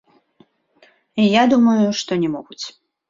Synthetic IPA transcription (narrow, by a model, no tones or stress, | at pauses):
jad̪umɐjuʂt̪ɔnʲɛmɔɣut͡sʲ